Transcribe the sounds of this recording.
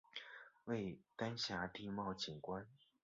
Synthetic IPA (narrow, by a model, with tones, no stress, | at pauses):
we˥˩ɪt̪a˥nɕja˧˥t̪i˥˧mɑ˥˩ʊt͡ɕʰi˨˩ŋkwa˥˦n